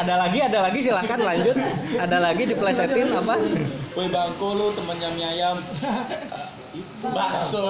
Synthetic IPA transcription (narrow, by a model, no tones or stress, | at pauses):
adalaɡiadalaɡisilakanlaɲd͡ʒʊt̪̚adalaɡidiplasat̪ɪŋapapobaŋkolut̪əmənjamjajam | it̪ubaso